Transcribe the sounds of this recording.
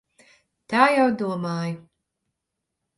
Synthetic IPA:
t̪aːjawd̪uɔmaːj

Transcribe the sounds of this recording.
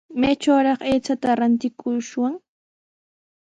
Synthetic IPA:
majt͡ʃawɾɑχejt͡sat̪aɾant̪ɪkʰʊʃwaŋ

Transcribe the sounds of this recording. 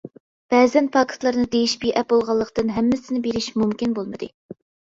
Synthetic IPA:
b̥ɛːzɛnpʰɑkʰɨ̥t̪lˠɑɾnɨd̪ejiʃbijʔɛp̚bolˠʁɑlˠːəqt̪ɨnɦɛmːɪsɪnɪbeɾɪʃmumkʲinbolˠmɨd̪ɨ

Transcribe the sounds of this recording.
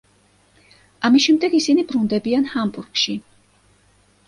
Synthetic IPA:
amisʃɛmd̪ɛɡisinibɾund̪ɛbianhambuɾɡʃi

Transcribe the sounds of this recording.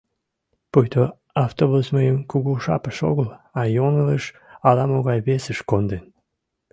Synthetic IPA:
pujt̪o | ɑft̪oβusməjəmkuɣuʃɑ̰pəʃo̰ɣəlɑjonələʃ | ɑlɑmoɣɑjβesəʃkond̪en

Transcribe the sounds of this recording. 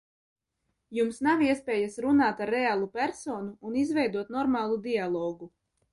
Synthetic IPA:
jumsnawiɛspɛːjasɾunaːt̪aɾːɛaːlˠupʲæɾsoːnuːnizvɛjd̪uɔt̪nɔɾmaːlˠud̪ialˠoːɡu

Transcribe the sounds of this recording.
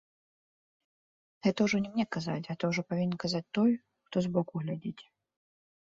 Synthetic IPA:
ɣɛt̪ɐwʐɔnʲɛmnʲɛkaza̰t͡sʲɣɛt̪ɐwʐɔpavʲinʲnkazat͡s̚ʲt̪ɔj | xt̪ɔzbɔkuɣlʲad͡zʲit͡sʲ

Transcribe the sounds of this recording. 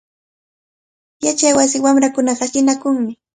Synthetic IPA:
jat͡ʃajwas̬ɪwamɾakʊnɑɢɑʃɪnakʊŋmɪ

